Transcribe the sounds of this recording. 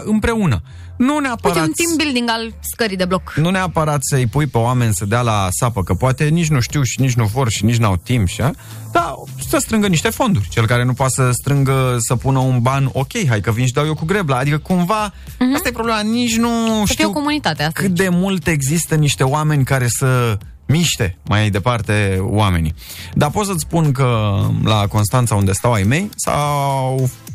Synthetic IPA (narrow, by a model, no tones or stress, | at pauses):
ɨmpɾe̞unə | nuneapaɾeatunimbild̪iŋɡalskəɾid̪e̞bloknuneapəɾat̪səɨjpujpe̞oame̞nʲsəd̪ealasapəkəpoat̪e̞nit͡ʃʲnuʃt̪iwʃinit͡ʃnuvo̞rʃinit͡ʃnua̰wt̪impʃa | d̪̥a | səst̪ɾɨŋɡəniʃt̪e̞fo̞nd̪urʲt͡ʃe̞lkaɾe̞nupoat̪səst̪ɾɨŋɡəsəpunəunbano̞kʲe̞jɦajkəvinʃ̬id̪awjokuɡɾe̞blaːd̪ikəkumva | ast̪ajepɾo̞ble̞manit͡ʃʲnuʃt̪iioiwkomunit̪at̪eakɨt̪̚d̪e̞mult̪e̞ɡzist̪əniʃt̪e̞oame̞nʲkaɾe̞sə | miʃt̪e̞majajd̪e̞part̪e̞wame̞̰ni | d̪apo̞t̪sət̪sʲpunkəlako̞nst̪ant̪saund̪e̞st̪awajme̞jsa̰w